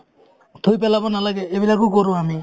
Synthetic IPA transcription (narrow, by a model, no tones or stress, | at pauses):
t̪ʰojpɛlabɔnalaɡɛebilakʊkɔɾʊ̃ami